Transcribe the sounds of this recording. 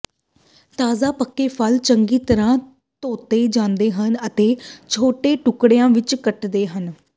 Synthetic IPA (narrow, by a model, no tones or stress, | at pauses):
t̪aːzaːpəkːeːpʰəlt͡ʃəŋɡiːt̪əɾãː | t̪oːt̪eːd͡ʒãːnd̪eːɦənət̪eːt͡ʃʰoːʈeːʈʊkɽejãːʋɪt͡ʃkəʈd̪eːɦən